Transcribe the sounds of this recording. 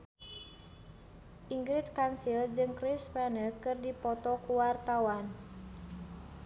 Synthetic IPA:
ʔiŋɡɾit̪̚kansild͡ʒɨŋkɾispɛnəkɨrdipɔt̪ɔkuwart̪awan

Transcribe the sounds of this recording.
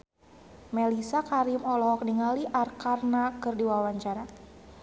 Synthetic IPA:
mɛlisakaɾimɔlɔɦɔk̚niŋaliʔarkarnakɨrdiwawaɲt͡ʃaɾa

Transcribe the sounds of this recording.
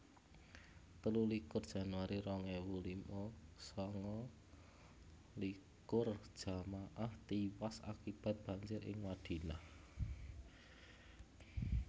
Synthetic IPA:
t̪əlulikʊrd̥ʒ̥a̤nwaɾiɾɔŋɛwulimɔsɔŋɔ | likʊr̥ʒ̥a̤maʔaht̪iwasa̰kib̥ä̤t̪̚b̥a̤ɲd͡ʒɪɾɪ̰ŋwad̪̥i̤lah

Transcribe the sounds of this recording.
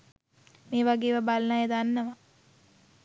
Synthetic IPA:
meːʋaɡeːʋɐbalɐnaːjed̪anːəʋa

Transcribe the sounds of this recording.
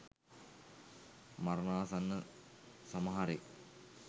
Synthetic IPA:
marnaːsanːə | sɐmɐɦaɾek

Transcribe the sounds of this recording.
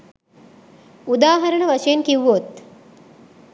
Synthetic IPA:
ud̪aːɦɐɾənəʋaʂejenkiʋʋot̪

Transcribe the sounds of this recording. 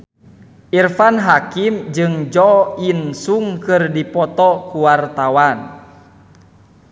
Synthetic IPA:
ʔirfanɦakimd͡ʒɨŋd͡ʒɔinsuŋkɨrdipɔt̪ɔkuwart̪awan

